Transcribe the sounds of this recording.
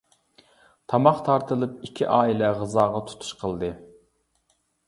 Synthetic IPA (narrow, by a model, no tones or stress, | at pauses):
t̪ʰɑmɑχt̪ʰɑɾt̪ʰɨlˠɨp̚ikʲʰiʔɑːilɛʁəzɑːʁɑt̪ʰu̥t̪ʰu̥ʃqʰəlˠd̪ɨ